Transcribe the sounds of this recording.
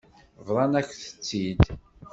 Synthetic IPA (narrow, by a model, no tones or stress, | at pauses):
vɾˤɑnækʷθə̥t͡sːid̪